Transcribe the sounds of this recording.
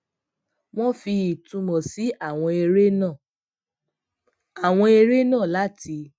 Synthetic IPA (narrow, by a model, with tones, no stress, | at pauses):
w̃ɔ̃˦fi˧i˨tũ˧mɔ̃˨si˨˦a˦˨w̃ɔ̃˧e˧ɾe˦nãː˦˨ | a˨w̃ɔ̃˧e˧ɾe˦nãː˦˨la˨˦ti˧